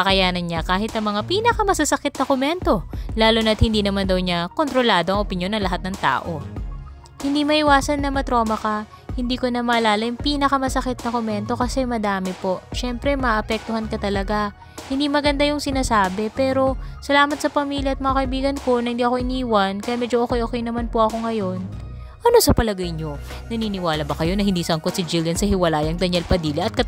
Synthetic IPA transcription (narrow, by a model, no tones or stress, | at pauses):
ɐkɐjaːnɐnɲakaːɦɪt̪ʔɐŋmɐŋapiːnɐkɐmɐsasɐkɪt̪̚nɐkomɛnt̪o̞laːlonɐt̪̚hɪnd̪iːnɐmand̪ɐwɲako̞nt̪ɾo̞laːd̪o̞ʔɐŋʔopɪnjo̞nːɐŋlɐɦat̪̚nɐŋt̪a̰ːʔo̞ | hɪnd̪imɐʔɪwaːsɐnːɐmɐt̪ɾo̞ːmɐkɐ | hɪnd̪iːkonɐmɐʔɐlaːlɐjʊŋpiːnɐkɐmɐsɐkɪt̪̚nɐkomɛnt̪o̞kɐsɛmɐd̪aːmɛpo̞ʔʃɛmpɾɛmɐʔɐpɛk̚t̪ohɐnkɐt̪ɐlɐɡa | hɪnd̪imɐɡɐnd̪ajʊŋsɪnaːsaːbɛpɛːɾo̞sɐlaːmɐt̪̚sɐpɐmiːljɐɐt̪̚mɐŋakɐʔɪbiːɡɐnko̞nɐhɪnd̪iːɐko̞ʔɪniːwɐnkɐjamɛːd͡ʒooːkɛjʔokɛjnɐmanpoʔɐko̞ŋɐjo̞n | ʔɐno̞sɐpɐlɐɡɐjɲo̞ | nɐniːnɪwaːlɐbɐkɐjo̞nɐhɪnd̪iːsɐŋkot̪̚sɪd͡ʒɪljɐnsɐhɪwɐlaːjɐŋd̪ɐɲɐlpɐd̪iːlɪʔɐt̪̚kɐ